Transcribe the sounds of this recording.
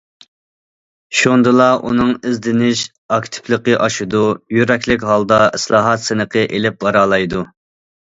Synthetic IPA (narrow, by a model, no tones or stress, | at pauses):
ʃond̪ɨlˠɑʔṵnɨŋɪzd̪ɪnɪʃ | ɑkʲt̪ʰɪ̥plˠəqəʔɑʃud̪ujyɾɛkʲlɪkʲɦɑlˠd̪ɑɪslˠɑːɦɑt̪sɨnəqʰəʔelɪp̚bɑɾɑːlˠɑjd̪u